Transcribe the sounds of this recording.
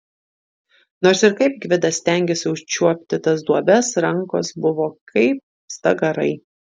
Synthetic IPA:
noːɾsɪɾkɐɪp̚ɡʲʋʲɪd̪ɐsʲt̪ʲæˑŋʲɡʲeːsʲɪʊʃʲt͡ʃʲuɔpʲt̪ʲɪt̪ɐsd̪uɔbʲɛsɾɐŋˑko̰ːsbʊʋoːkʰɐɪp̚ | st̪ɐɡɐɾɐ̰ɪ

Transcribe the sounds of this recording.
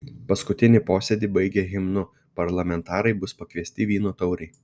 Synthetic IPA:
pɐskʊt̪ʲɪnʲɪpoːsʲɛd̪ʲibɐɪɡʲeɣʲɪmnʊ | pɐɾlˠɐmʲɛnt̪ɑːɾɐɪbʊspɐkʋʲiɛsʲt̪ʲɪʋʲiːnoːt̪ɒʊɾʲɛɪ

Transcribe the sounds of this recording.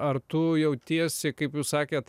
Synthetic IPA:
ɐɾt̪ʊjɛʊt̪ʲiɛsʲɪkɐɪpjuːssɑːkʲeːt̪

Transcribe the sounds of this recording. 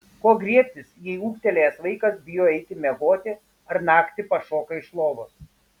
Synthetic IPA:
koːɡɾʲiɛpʲt̪ʲɪsjɛɪuːkt̪ʲɛlʲejɛsʋɐɪkɐsbʲɪjoːɛɪk̪ʲɪmʲɛɡoːt̪ʲɪ | ɐɾnɑːkt̪ʲɪpɐʃoːkɐɪʃlˠoːʋos

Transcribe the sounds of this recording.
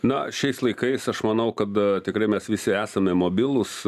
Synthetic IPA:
nɐʃʲɛɪslˠɐɪkɐɪsɐʃmɐnɐʊkɐt̪t̪ʲɪkɾɐɪmʲɛsʋʲɪsʲɪæːsɐmʲɛmoːbʲɪlˠʊs

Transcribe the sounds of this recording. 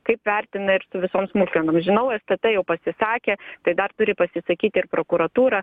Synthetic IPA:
kɐɪpʋʲæɾʲt̪ʲɪnɐɪɾsʊʋʲɪsoːmsmʊlʲkʲɛnoːmsʒʲɪnɐʊɛst̪ɐt̪ɐjɛʊpɐsʲɪsɑːkʲeːt̪ɐɪd̪ɐrt̪ʊɾʲɪpɐsʲɪsɐkʲiːt̪ʲɪɪrpɾoːkuɾɐt̪uːɾɐ

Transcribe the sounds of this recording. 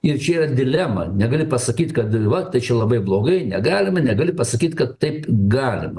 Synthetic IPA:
ɪrt͡ʃʲɛiːrɐd̪ʲɪlʲæmɐ̰nʲɛɡɐlʲɪpɐsɐkʲiːt̪ʲkɐt̪ʋɐt̪ɐɪt͡ʃʲɛlˠɐbɐɪblˠoːɡɐɪnʲɛɡɑːlʲɪmɐnʲɛɡɐlʲɪpɐsɐkʲiːt̪kɐt̪tɐɪpɡɑːlʲɪ̰mɐ

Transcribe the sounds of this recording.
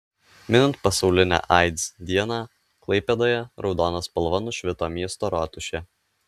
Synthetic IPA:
mʲɪnʲɪnt̪̚pɐsɒʊlʲɪnʲæ̰ːʔɑɪd̪zd̪ʲiɛnɑː | klˠɐɪpʲɛd̪oːjɛɾʔɒʊd̪oːnɐspɐlˠʋɐnʊʃʲʋʲɪt̪oːmʲiɛst̪oːɾɑːt̪ʊʃʲe

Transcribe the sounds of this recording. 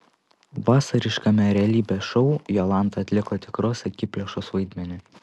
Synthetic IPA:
ʋɑːsɐɾʲɪʃkɐmʲɛɾʲɛɐlʲiːbʲɛʃɔʊjolˠɑˑnˑt̪ɐɐt̪ʲlʲɪkot̪ʲɪkɾoːsʲɛkʲɪpʲlʲɛʃoːsʋɐɪd̪ʲmʲɛnʲɪ

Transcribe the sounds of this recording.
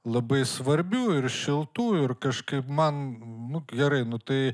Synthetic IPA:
lˠɐbɐɪsʋɐɾʲbʲuːɪrʃʲɪlˠt̪uːɪrkɐʃkɐɪpmɐnnʊɡʲɛɾɐɪnʊt̪ɐɪ

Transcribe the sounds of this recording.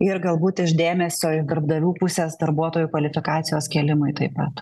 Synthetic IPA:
ɪɾɡɐlˠbuːt̪ɪʃd̪ʲeːmʲɛsʲoːɪd̪ɐɾbd̪ɐʋʲuːpʊsʲeːsd̪ɐɾbuɔt̪oːjuːkʋɐlʲɪfʲɪkɑːt̪sʲɪjoːskʲeːlʲɪmʊɪt̪ɐɪpɐt̪

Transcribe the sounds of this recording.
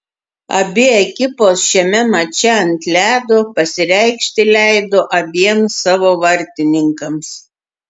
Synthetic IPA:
ɐ̰bʲɪɛkʲɪpoːsʃʲɛmʲɛmɐt͡ʃʲɛɐnʲt̪ʲlʲæːd̪oːpɐsʲɪɾʲɛɪkʃʲt̪ʲɪlʲæɪd̪oːʔɐbʲiɛmsɑːʋoːʋɐɾʲt̪ʲɪnʲɪŋkɐms

